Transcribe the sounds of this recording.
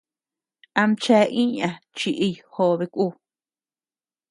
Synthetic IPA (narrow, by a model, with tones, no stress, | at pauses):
a˧mt͡ʃe˧˦ʔĩ˦ɲã˧t͡ʃi˧ʔi˧jho˧βe˧kʷu˦˨